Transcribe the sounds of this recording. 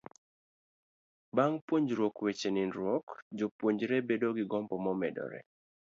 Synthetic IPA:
baŋpwoɲd͡ʒɾwokwet͡ʃenɪnɾwokd͡ʒopwoɲd͡ʒɾɛbedoɡɪɡɔmbɔmɔmɛdɔ̰ɾɛ̰

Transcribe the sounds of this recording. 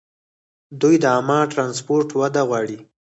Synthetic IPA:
d̪ujd̪əamɑʈɾɑns̬poɾʈwad̪aɣwɑɽi

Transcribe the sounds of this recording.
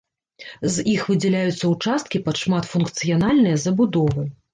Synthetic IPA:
zixvɨd͡zʲɛlʲajut̪sːɐut͡ʂast̪̚kʲipɐt̪ʂmat̪funkt̪sɨjanalʲnɨjɐzɐbud̪ɔvɨ

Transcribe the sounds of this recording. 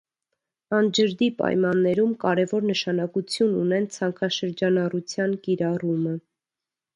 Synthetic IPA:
ɑnd͡ʒəɾd̪ipɑ̰jmɑnːɛɾumkɑɾɛvɔɾnəʃɑnɑkut͡sʰjunṵnɛnt͡sʰɑŋkʰɑʃəɾd͡ʒɑnɑrut͡sʰjɑnkiɾɑrumə

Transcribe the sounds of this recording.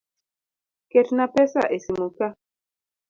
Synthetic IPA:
ketnapɛsa̰ʔesimuka

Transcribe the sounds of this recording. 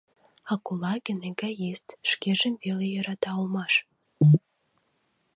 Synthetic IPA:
ɑkolɑɣə̆neɡæjest̪ʃkeʒəmvelejəɾɑt̪ɑolmɑʃ

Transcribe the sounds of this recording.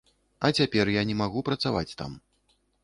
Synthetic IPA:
ɐt͡sʲapʲɛrjanʲɛmaɣupɾɐt̪savat͡sʲt̪a̰m

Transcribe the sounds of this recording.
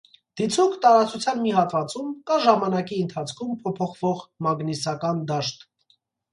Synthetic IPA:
d̪̥it͡sʰukt̪ɑɾɑt͡sʰut͡sʰjɑnmiɦɑt̪vɑt͡sumkɑʒɑmɑnɑkiənt̪ʰɑt͡sʰkʰumpʰɔpʰɔχv̥ɔʁmɑɡnisɑkɑnd̪ɑʃt̪

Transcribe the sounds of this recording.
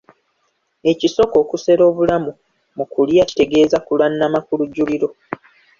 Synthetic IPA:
e̞ciso̞ko̞ːkuse̞ɾo̞ːβulamu | mukuljaci̥te̞ɡe̞ːzakulanːamakuluɟːuliɾo̞

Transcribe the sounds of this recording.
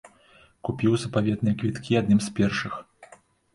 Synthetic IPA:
kupʲiwzɐpavʲɛd̪nɨjɛkvʲit̪kʲiad̪nɨmspʲɛrʂɨx

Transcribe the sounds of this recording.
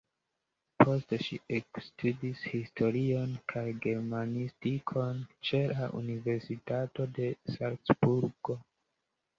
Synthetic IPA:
pʰo̞steʃiekstʰudishistʰo̞ɾio̞nkʰajɡe̞ɾmanistikʰo̞nt͡ʃe̞laʔṵnive̞ɾsitato̞de̞salksbuɾɡo̞

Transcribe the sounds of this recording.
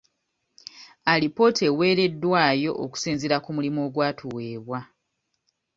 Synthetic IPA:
alipo̞te̞we̞ːɾe̞dːwaːjo̞ʔːku̥siːnziɾakumulimoːɡwaːtʰuwe̞ːβwa

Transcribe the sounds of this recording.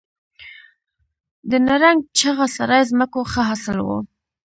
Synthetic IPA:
d̪ənaɾaŋɡ̚t͡ʃaɣasaɾɑjzməkoxəɦasɪlwo̰

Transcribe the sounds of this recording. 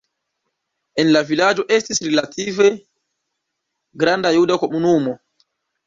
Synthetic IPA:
ʔɛnlavilaːd͡ʒɔʔestisɾɛlatiːvɛ | ɡɾandajudakoɓunuːmɔ

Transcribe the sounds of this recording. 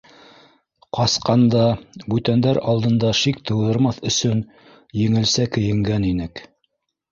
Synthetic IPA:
qɑsqɑnd̪ɑbʉt̪ænd̪æɾɑlˠd̪ɤ̆nd̪ɑʃikt̪ʰɤ̆wðɤ̆ɾmɑθɵ̆sɵn | jɘ̆ŋɘ̆lsækɵ̆jɘ̆ŋɡæninɘk

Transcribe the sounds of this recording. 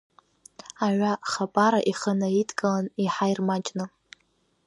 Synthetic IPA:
aʕʷaχapʼaɾaʔiχənaitʰʼkʼalaniħajrmat͡ʃʼnɨ

